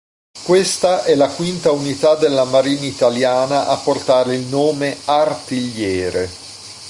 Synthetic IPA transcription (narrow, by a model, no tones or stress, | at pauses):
kwest̪aʔɛlakwint̪aunit̪ad̪elːamaɾiːnait̪aljaːnaʔapːort̪aːɾeilnoːmeart̪iʎːɛːɾe